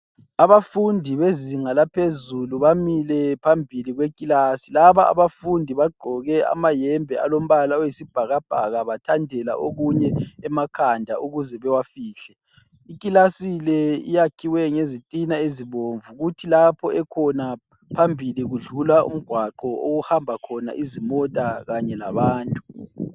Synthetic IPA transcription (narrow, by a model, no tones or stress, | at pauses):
aβafundʱiβeziŋalapʰezuluβamilɛpʰambʱiliɣwekʼilaːsilaβaa̰βafundʱiβaɡ͡ǃʱɔɣɛa̰majɛmbʱɛa̰lom̩βalaojisib̥ʱaɣab̥ʱaɣaβatʰandʱɛla̰ʔoɣuɲɛɛmakʰandʱauɣuzɛβɛwafiːɬɛ | ikʼilasilɛḭjakʰiwɛŋezitʼinaeziβoːɱvuɣutʰilapʰɔʔɛkʰɔna | pʰambʱiliɣuɮulaṵm̩ɡ̥ʱwaǃɔo̰ɣuhambʱakʰɔna̰ʔizimɔtʼaɣaɲɛla̰βaːntʼu̥